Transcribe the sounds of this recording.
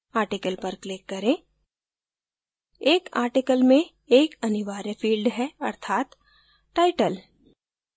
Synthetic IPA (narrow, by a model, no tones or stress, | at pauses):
aːɾʈɪkəlpɐɾklɪkːɐɾẽː | eːka̰ːɾʈɪkəlmẽ | eːkɐnɪʋaːɾjəfʰiːlɖɦɛɐɾt̪ʰaːt̪ | ʈaːɪʈəl